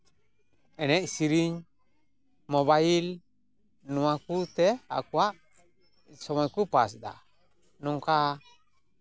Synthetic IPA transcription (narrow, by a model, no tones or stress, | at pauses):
ɛnɛʔsiɾiɲ | mɔβail | nuakut̪ea̰kuaʔ | sɔmɔjkupas̬da̰ | nuŋka